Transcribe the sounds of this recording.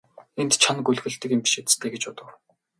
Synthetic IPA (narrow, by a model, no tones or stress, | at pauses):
ent̪t͡ɕʰanɡɵɮɣɘ̆ɬt̪ɘ̆kɪmpʲi̥ʃet̪ɘ̥̆st̪ʰeːɡet͡ɕpʊt̪ə̆w